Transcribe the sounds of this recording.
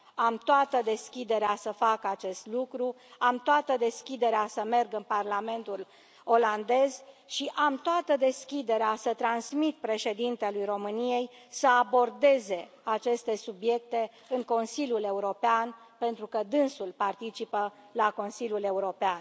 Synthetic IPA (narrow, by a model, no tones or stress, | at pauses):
amt̪oat̪əd̪e̞skʲid̪e̞ɾeasəfakəat͡ʃe̞st̪lukɾu | amt̪oat̪əd̪e̞skʲid̪e̞ɾeasəme̞rɡɨnparlame̞nt̪ul | o̞land̪e̞zʃiʔamt̪oat̪əd̪e̞skʲid̪e̞ɾeasət̪ɾansmit̪̚pɾe̞ʃe̞d̪int̪e̞lujɾo̞mɨnije̞jsəabo̞rd̪e̞ze̞ | at͡ʃe̞st̪e̞subje̞k̚t̪e̞ | ɨŋko̞nsilʲjule̞uɾo̞pean | pe̞nt̪ɾukəd̪ɨnsulpart̪it͡ʃipəlako̞nsilʲjule̞uɾo̞pean